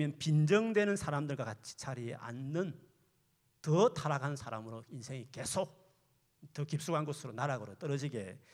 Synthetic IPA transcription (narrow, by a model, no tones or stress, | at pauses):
jʌnpind͡ʑʌŋdwe̞nɯnsʰaɾamdɯɭɡwakat͡ɕʰi̥t͡ɕʰaɾiʔa̰nːɯn | tʌtʰaɾaɡannsʰaɾamɯɾoinsʰe̞ŋike̞sʰok̚ | tʌkip̚s͈uɡanɡosʰɯɾonaɾaɡɯɾot͈ʌɾʌd͡ʑiɡe̞